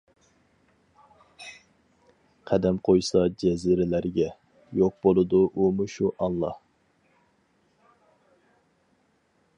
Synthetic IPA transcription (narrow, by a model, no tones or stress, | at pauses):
qʰæd̪ɛmqʰojsɑd͡ʒɛziɾɪlæɾɡʲɛ | joq̚bolˠɨd̪uʔumuʃuʔɑnlˠɑh